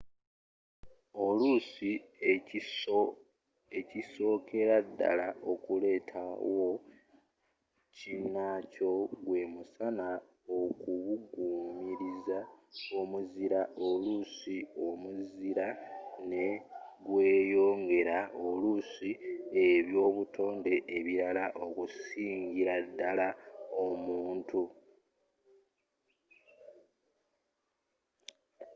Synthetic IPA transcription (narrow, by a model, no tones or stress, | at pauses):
o̞lusi | eciso̞ːkʰe̞ɾadːa̰lao̞kule̞ːtʰa̰wo̞ | cinːaco̞ɡwe̞musana | o̞kuβuɡuːmiɾizaomuziɾaʔo̞lusio̞muziɾane̞ɡwe̞ːjo̞ːŋɡe̞ɾao̞lusie̞βjo̞ːβutʰo̞ːnde̞ʔːβiɾalaʔo̞kusiːɲɟiɾadːalao̞muːntʰu